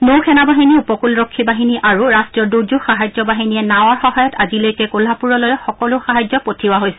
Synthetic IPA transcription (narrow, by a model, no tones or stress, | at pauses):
nowkʰɛnabaɦiniupɔkulɹokʰːibaɦiniʔaɹuɹastɹiɔɹduɹzuxaɦajd͡ʑɔbaɦinijɛnawaɹxɔɦajɔtazilojkɛkolapuɹɔlojɛxɔkɔlʊxaɦajzzɔpotʰiwaɦojsɛ̥